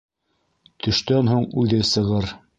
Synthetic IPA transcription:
t̪ʰɵ̆ʃt̪ænɦuɴʉlðɘsɤ̆ʁɤɾ

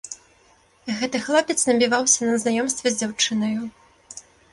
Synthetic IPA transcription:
ɣɛt̪ɨxlˠɔpʲɛt̪snɐbʲivawsʲɐnɐznajɔmst̪vʲɐzʲd͡zʲawt͡ʂɨnɐju

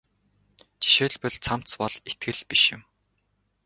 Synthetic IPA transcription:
t͡ɕi̥ʃeːɮpɘ̆ɮt͡sʰam̥t͡spɔɮet̪̚ɡɘ̆ɮpiʃjɪ̰̆m

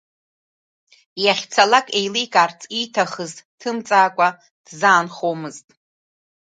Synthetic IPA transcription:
jaχʲt͡sʰalakʼejlijkʼaːrt͡sʰʼitʰaχəztʼtʰɨmt͡sʼaːkʷʼa | d̥zaːnχomɨztʼ

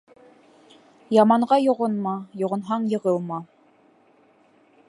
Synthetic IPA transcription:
jɑmɑɴɢɑjŏʁɤnmɑjŏʁɤ̆nɦɑɴjɤ̆ʁɤlˠmɑ

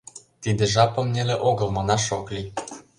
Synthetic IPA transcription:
t̪id̪ĕʒɑpɤ̆mnʲeleʔoɣɤ̆lmɤ̆nɑʃoklʲi

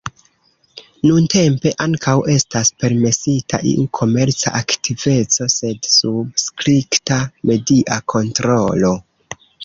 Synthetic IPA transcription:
nunte̞mpe̞ʔaŋkawe̞staspe̞ɾme̞sitʰa̰ʔḭukʰo̞me̞ɾt͡sa̰ʔaktive̞t͡so̞se̞dsub̚skɾiktame̞diʔakʰo̞ntɾo̞lo̞

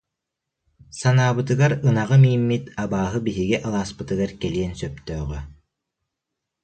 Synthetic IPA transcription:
sanaːbɯt̪ɯɡaɾɯnaʁɯmiːmːit̪abaːɦɯbiɦiɡɛʔɯlˠaːspɯt̪ɯɡaɾkɛliɛnsœpt̪œːʁœ

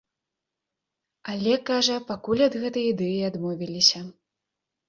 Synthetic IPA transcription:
alʲɛkaʐɐpakulʲad̪ɣɛt̪ɐjid̪ɛjiad̪mɔvʲilʲisʲɐ

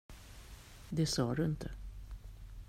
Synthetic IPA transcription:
d̪ɛsɑːd̪ɵɪnt̪ʰə

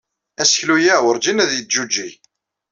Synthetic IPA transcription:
æsçlujæwəɾd͡ʒinæðjəd͡ʒud͡ʒːi

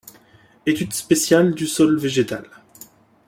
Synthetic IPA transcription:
et̪yd̪spesjald̪ysɔlveʒet̪al

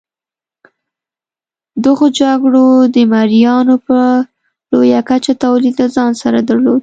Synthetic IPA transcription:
d̪əɣod͡ʒaɡɽod̪əmaɾijɑnopə | lojakat͡ʃat̪awlid̪lazɑnsaɾad̪aɾlod̪̚

